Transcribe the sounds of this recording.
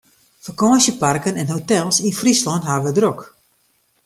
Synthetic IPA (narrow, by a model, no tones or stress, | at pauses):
fərkɔːsjəparkənɛnɦotɛlˠsinfrislɔntɦaːʋədrok